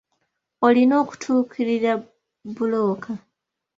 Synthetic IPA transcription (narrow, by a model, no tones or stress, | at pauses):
o̞lino̞ːku̥tʰuːkʰiɾiɾa | bulo̞ːkʰa